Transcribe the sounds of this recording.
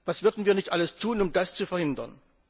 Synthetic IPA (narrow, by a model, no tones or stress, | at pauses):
v̥asv̥ʏɐdn̩viːɐnɪçtʔaləstʰuːnʊmdast͡sufɛɐhɪndɐ̰n